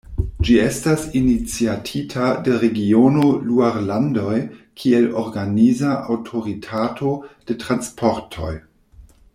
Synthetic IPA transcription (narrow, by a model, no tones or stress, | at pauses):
d͡ʒiestasinit͡siatʰitʰadeɾeɡionoluaɾlando̞jkʰieloɾɡanizaʔawtʰo̞ɾitʰatʰo̞d̥e̞tʁanspʰo̞ɾtʰo̰j